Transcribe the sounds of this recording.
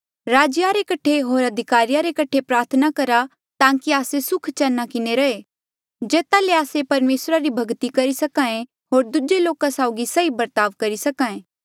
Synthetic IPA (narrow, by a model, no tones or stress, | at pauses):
ɾaːd͡ʒjaɾekɐʈʰeɦoːɾɐd̪ʱɪkaːɾijaɾekɐʈʰepɾaːɾt̪ʰnakɐɾa | t̪ãːkiaːsesʊkʰt͡ʃɛnːakɪneɾɐe | d͡ʒeːt̪aleaːsepɐɾmeːsɾaɾibʱɐɡt̪ikɐɾisɐkãːẽ | ɦoːɾd̪ʊd͡ʒeloːkasaʊɡisɐibɐɾt̪aːʋkɐɾisɐkaːẽː